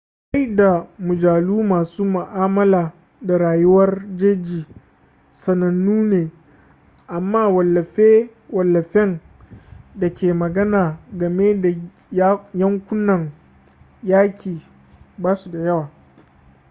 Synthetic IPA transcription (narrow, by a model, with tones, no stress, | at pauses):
ka˦jda˨mʊ˨d͡ʒaː˨luː˦maː˨suː˦mʊ˨ʔaː˦mɐ˦laː˨ | da˨ɽaː˨jʊ˦wɐ˦rd͡ʒeː˦d͡ʒiː˨ | sɐ˨nɐ˨nːuː˦neː˨ | ʔa˨mːaː˦˨wɐ˨lːɐ˨e˦wɐ˨lːɐ˨ɸɛ˦n | dɐ˨kʲeː˨mɐ˨ɡɐ˦naː˨ɡɐ˨me˦da˨˦ | jɐ˦ŋkʷʊ˦nːɐ˨ŋ | jaː˦kʲiː˨ | baː˦su˨da˨jɐ˦waː˨